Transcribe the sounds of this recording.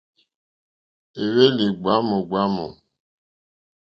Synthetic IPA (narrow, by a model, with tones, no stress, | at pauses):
e˨we˦li˨ɡ͡ba˨˦mo˨ɡ͡ba˨˦mo̰˨